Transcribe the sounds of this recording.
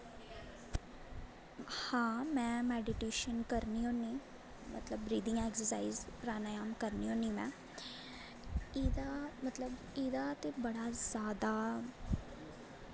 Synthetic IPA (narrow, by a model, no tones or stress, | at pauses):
hãːmɛ̃ːmɛːɖɪʈeːʃənkəɾniːɦoːniː | mə̰t̪ləbɾiːd̪ijãːɛːksəsaːizpəɾaːnaːjaːmkəɾniːɦõːniːmɛ̰̃ː | id̪aːmət̪ləb | iːd̪aːt̪eːbəɽaːzjaːd̪aː